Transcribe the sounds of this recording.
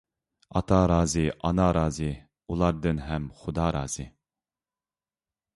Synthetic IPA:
ɑt̪ʰɑɾɑːzɨʔɑnɑɾɑːzɨ | ulˠɑɾd̪ɨnɦɛmχʊd̪ɑɾɑ̰ːz̥ɨ

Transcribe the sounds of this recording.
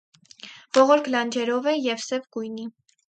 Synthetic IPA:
v̥ɔʁɔɾkʰlɑnd͡ʒɛɾɔvɛjɛvsɛvɡujni

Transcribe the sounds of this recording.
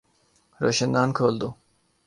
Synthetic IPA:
ɾɑʃɯnd̪ankʰolˠd̪u

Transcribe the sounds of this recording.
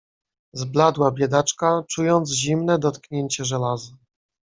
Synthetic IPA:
zblad̪wabʲjɛd̪at͡ʂkat͡ʂujɔnd̪zʑimnɛd̪ɔt̪kɲeɲt͡ɕɛʐɛlazɨ

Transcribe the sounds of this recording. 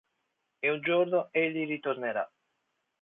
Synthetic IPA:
eund͡ʒornoeʎːirit̪orneɾa

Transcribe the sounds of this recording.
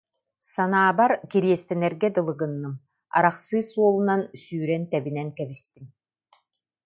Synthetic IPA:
sanaːbaɾkiɾiɛst̪ɛnɛɾɡɛd̪ɯlˠɯɡɯnːɯm | a̰ɾaχsɯːsuɔlˠunansyːɾɛnt̪ɛbinɛnkɛbist̪im

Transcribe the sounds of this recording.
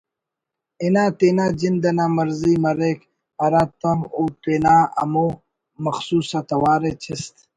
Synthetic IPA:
inaːt̪eːnaːd͡ʑind̪ɐnaːmɐɾziːmɐɾeːk | pɐɾaːt̪ɐmoːt̪eːnaːɐ̰mo | mɐxsuːsat̪ɐwaːɾet͡ɕʰist̪

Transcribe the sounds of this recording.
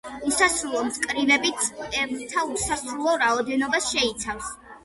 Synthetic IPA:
usasɾulˠɔmt̪ʰkʼɾivɛbit̪ʰʼɛvt̪ʰausasɾulˠɔɾaɔd̪ɛnɔbasʃɛit̪sʰafs

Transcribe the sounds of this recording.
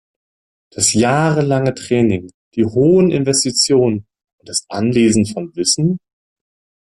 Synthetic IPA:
d̥asjaːʁəlaŋətʁ̥ɛːnɪŋd̥iːhoːənʔɪ̰nvɛstit͡sjoːnən | ʔʊnt̚d̥asʔa̰nleːzn̩fɔnvɪsn̩

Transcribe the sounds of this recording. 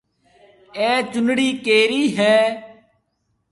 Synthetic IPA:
ɛːt͡ʃʊnɽiːkeːɾiːɦɛː

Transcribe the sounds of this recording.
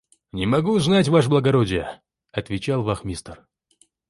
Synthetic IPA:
nʲɪmɐɡuznatʲvaʂ̬blˠəɡɐɾodʲɪjə | ɐt̪vʲɪt͡ɕalˠvɐxmʲist̪ər

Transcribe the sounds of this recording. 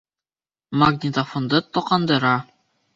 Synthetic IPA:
maɡnʲit̪afŏnd̪ɤt̪oqɑnd̪ɤ̆ɾɑ

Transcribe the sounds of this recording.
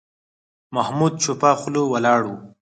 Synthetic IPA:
mahmud̪̚t͡ʃopaxʊlowalɑːɽwu

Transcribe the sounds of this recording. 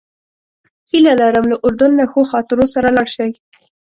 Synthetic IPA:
hilalaɾəmlaʔʊɾd̪ʊnlaxoxɑt̪ɪɾosaɾalɑʃaw

